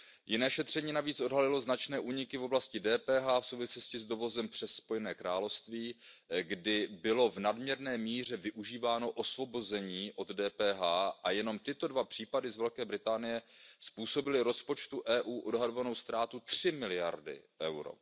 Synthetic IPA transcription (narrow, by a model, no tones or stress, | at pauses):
jɪnɛːʃɛt̪r̝̥ɛɲiːnaviːt͡sʔo̞dɦalɪlo̞znat͡ʃnɛːʔuːɲɪkɪvo̞blascɪdɛːpɛːɦaːfsowvɪslo̞scɪzdo̞vo̞zɛmpr̝̥ɛsːpo̞jɛnɛːkɾaːlofst̪viːɡdɪbɪlo̞vnadmɲɛɾnɛːmiːr̝ɛvɪʔuʒiːvaːno̞ʔo̞svo̞bo̞zɛɲiːʔo̞d̪dɛːpɛːɦaːʔajɛno̞mt̪ɪt̪o̞dvapr̥iːpadɪzvɛlkɛːbɾɪt̪aːnɪjɛspuːsobɪlɪɾo̞spo̞t͡ʃt̪uʔɛːʔuːʔo̞dɦado̞vano̞wst̪ɾaːt̪ut̪r̝̥ɪmɪlɪja̰ɾdɪ̰ʔɛ̰wɾo̰